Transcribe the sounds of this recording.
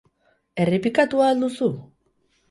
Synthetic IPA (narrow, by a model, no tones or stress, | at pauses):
e̞ripikat̪uald̪usu